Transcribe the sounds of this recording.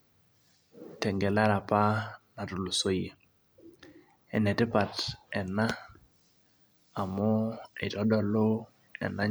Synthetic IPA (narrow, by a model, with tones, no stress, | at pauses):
tɛ˨ŋɡɛ˨la˦ɾa˨pa˦na˨tʊ˨lu˨so˦je˨ | ɛ̰˨nɛ˨tɪ˦pa˨tɛ˨na˦˨ | mʊ˦e˨tɔ˦dɔ˨lo˦ | ɛ̰˨na˦